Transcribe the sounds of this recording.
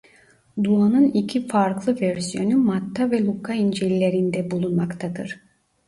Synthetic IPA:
d̪uanɯnicʰifaɾklˠɯvæɾsijo̞numat̪ʰːavɛlˠukʰaind͡ʒelilʲe̞ɾind̪ɛbulˠunmakt̪ʰad̪ɯ̰ɾ̥

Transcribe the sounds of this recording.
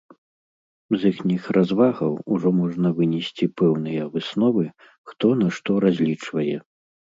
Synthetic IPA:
zixnʲixrʔazvaɣɐwuʐɔmɔʐnɐvɨnʲɛsʲt͡sʲipɛwn̪ɨjɐvɨsnɔvɨ | xt̪ɔnɐʂt̪ɔɾazʲlʲit͡ʂvɐjɛ

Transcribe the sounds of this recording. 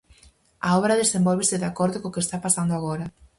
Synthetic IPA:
aɔβɾɐðesembolβesɪðakɔɾðokokest̪apasand̪oaɣ̞oɾɐ

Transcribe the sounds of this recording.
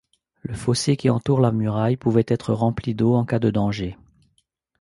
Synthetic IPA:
ləfɔsekʲiɑ̃t̪uʁlamyʁajpuvɛt̪ɛt̪χəʁɑ̃plid̪oɑ̃kad̪əd̪ɑ̃ʒe

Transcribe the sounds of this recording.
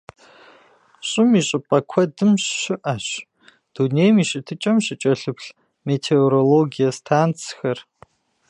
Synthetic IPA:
ɕʼɪmiːɕʼɪpʼɐkʷʰɐdɨmɕɕɪʔaɕ | d̥uneːjmiːɕʼɪtʰɨt͡ʃʼɐmɕɪt͡ʃʼɐɬɨpʰɬ | meːtʰeoɾoloɡijɐstʰaːnt͡sʰxɐr

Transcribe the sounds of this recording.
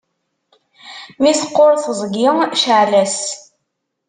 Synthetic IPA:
misə̥qːoɾθəzˤɡɪŋʃəʕlæs

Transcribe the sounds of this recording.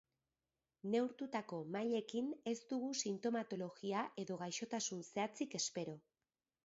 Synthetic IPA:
ne̞wɾt̪ut̪ako̞maʎe̞kine̞st̪uɣusint̪o̞mat̪o̞lo̞ɣiaʔe̞ðo̞ɣajʃo̞t̪asunse̞at͡sike̞spe̞ɾo̞

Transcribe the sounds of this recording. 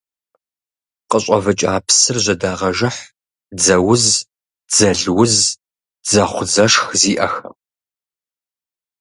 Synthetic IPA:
qəɕʷʼɐ̰vɨt͡ʃʼa̰ːpʰsɨrʑʷɐdaːʁɐʒɐħ | d͡zɐwʊz | d͡zɐɮwʊz | d͡zɐχʷzɐʂxziːʔɐ̰xɐ̰

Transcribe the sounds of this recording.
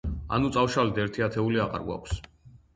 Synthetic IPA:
a̰nut̪sʼawʃalid̪ɛɾt̪ʰiat̪ʰɛuliaqa̰ɾɡwa̰kʷʰs

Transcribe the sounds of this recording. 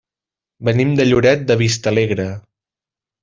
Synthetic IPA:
bənimd̪əʎuɾɛt̪̚d̪əβist̪əleɣɾə

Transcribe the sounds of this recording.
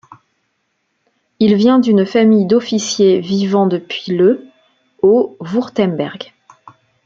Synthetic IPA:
ilvjɛ̃d̪ynfamijd̪ɔfisjevivɑ̃d̪əpɥilə | ovuʁt̪ɛmbɛ̰ʁɡ

